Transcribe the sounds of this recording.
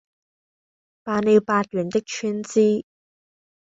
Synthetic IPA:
paː˨˧ne˨˧wpaː˧t̚jyː˨˩nt̪ɪ˥k̚t͡ʃʰyː˥nt͡siː˥

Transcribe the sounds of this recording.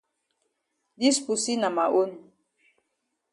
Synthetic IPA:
di˦spu˨si˦na˨ma˨ʔo˦n˨

